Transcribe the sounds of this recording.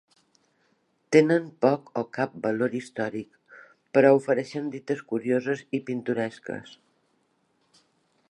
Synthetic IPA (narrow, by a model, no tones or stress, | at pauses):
t̪enənpɔkɔkap̚bəloɾist̪ɔɾik | pəɾɔufəɾɛʃənd̪it̪əskuɾiozəzipint̪uɾɛskə̰s